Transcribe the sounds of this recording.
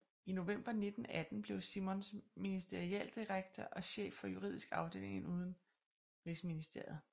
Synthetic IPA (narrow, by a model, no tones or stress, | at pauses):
ino̝ʋem̰b̥ɐne̝d̥n̩æd̥n̩b̥le̝ʊsimɔnsminisd̥eʁiɛl̰d̥iʁaɡ̥̚t͡sʰɶʔɒ̽ɕḛːfːɒ̽juʁḭð̞ˠisɡ̥ɑ̈ʊd̥e̝̰ːle̝ŋnuːð̞ˠn̩ | ʁisəminisd̥e̝̰ɐð̩ˠ